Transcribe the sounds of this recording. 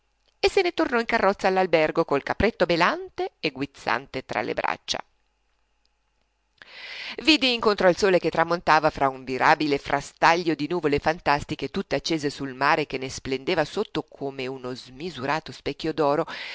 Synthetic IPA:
esːenet̪ornɔiŋkarːɔt̪sːaːlːalbɛrɡokolkapɾet̪ːobelant̪eeɡwit̪sa̰nt̪et̪ɾa̰lḛbɾa̰t͡ʃːa̰ | viːd̪iiŋkont̪ɾoɔalsoːleket̪ːɾamont̪aːvafɾauɱviɾʔaːbilefɾʔa̰st̪aʎːod̪inuːvolefant̪ast̪ik̟et̪ut̪ːeat͡ʃːeːzesulmaːɾek̟enːesplend̪eːvasot̪ːokʰomeunozmizuɾʔaːt̪ospɛkʲːjod̪ɔːɾo

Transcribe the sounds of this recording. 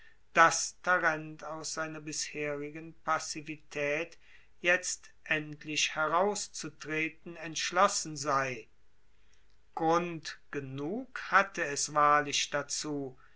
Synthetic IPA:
d̥astʰaʁɛntaʊsz̥aɪnɐbɪsheːʁɪɡənpasivitʰɛːt | jɛt͡stʔɛntlɪʃhɛʁaʊst͡sutʁ̥eːt̚n̩ɛntʃlɔsn̩zaɪ | ɡ̥ʁʊntɡ̥ənuːkhatəɛsv̥aːɐlɪʃd̥at͡suː

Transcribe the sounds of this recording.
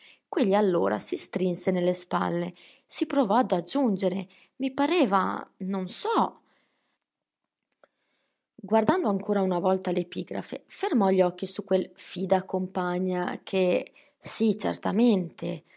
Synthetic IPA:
kweʎːialːo̰ːɾa̰sist̪ɾinsenelːespa̰lːe | sipɾovɔad̪ad͡ʒund͡ʒeɾe | mipaɾɛːva̰nonsɔ | ɡward̪and̪oaŋkʰoːɾaunavɔlt̪alepiːɡɾa̰fḛfermɔʎːɔkːisukːwelfiːd̪akompaɲːakʰe | sit͡ʃḛrt̪ament̪e

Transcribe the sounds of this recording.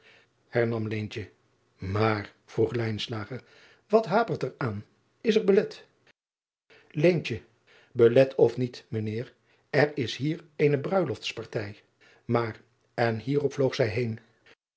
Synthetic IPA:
hɛɹnɑmlejntə | maːɹ | v̥ruχlɛjnslaːχəɹ | ʋɑtɦaːpəɹtɛɹaːn | ɪsɛɹbəlɛt | lejnt͡ʃə | bəlɛtʰɔfnitmənɪːɹ | ɛɹɪsɦiːɹejnəbrœɥlɔftspɑɹtɛj | maːɹ | ɛnɦiːrɔpflowχsɛjɦejn

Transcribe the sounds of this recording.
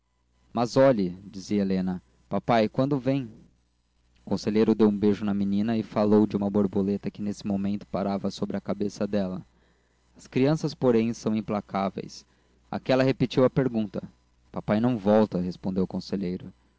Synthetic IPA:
mɐzɔʎɪd͡ʒiziɐelẽnɐ | papajkwɐ̃nd̪ʊvẽj̃ | ʊkõseʎejɾʊd̪ewũbeʒʊnɐminĩnɐɪfalowd͡ʒɪũmɐboɾbolet̪ɐkɪnesɪmomẽnt̪ʊ̥paɾavɐsobɾɪɐkabesɐd̪ɛlɐ̰ | ɐskɾiɐ̃sɐspoɾẽj̃sɐ̃w̃ĩplakʰavḛjs | a̰kɛlɐɦepit͡ʃiwɐpeɾɡũnt̪ɐ | papajnɐ̃w̃vɔwt̪ɐɦespõnd̪ewʊkõseʎejɾʊ

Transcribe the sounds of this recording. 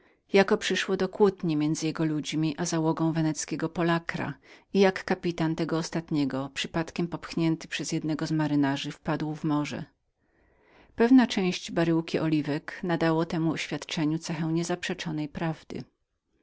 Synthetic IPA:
jakɔpʂɘʂwɔd̪ɔkwut̪ɲimʲjɛnd̪zɘjɛɡɔlud͡ʑmʲiʔazawɔɡɔ̃w̃vɛnɛt̪skʲɛɡɔpɔlakɾa̰ijakːapʲit̪ant̪ɛɡɔːst̪at̪ɲɛɡɔpʂɘpat̪kʲɛmpɔpxɲɛnt̪ɘ̥pʂɛz̥jɛd̪nɛɡɔzmaɾɘnaʐɘfpad̪wvmɔʐɛ̰ | pɛvnat͡ʂɛ̃w̃ɕd͡ʑbaɾɘwkʲiʔɔlʲivɛknad̪awɔt̪ɛmuɔɕfʲjat̪t͡ʂɛɲut̪sɛxɛ̃w̃ɲɛzapʂɛt͡ʂɔnɛjpɾavd̪ɘ̰

